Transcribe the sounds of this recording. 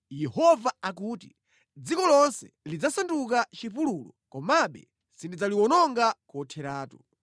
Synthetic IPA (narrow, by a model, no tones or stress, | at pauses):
jɛhɔvaakuːtḭ | d͡zikɔlɔnsɛ̰ | lid͡zasanduk̬at͡ʃipululɔ̰kɔmaɓɛ̰ | sindid͡zaliwɔnɔŋɡakɔtʰɛɾaːtu̥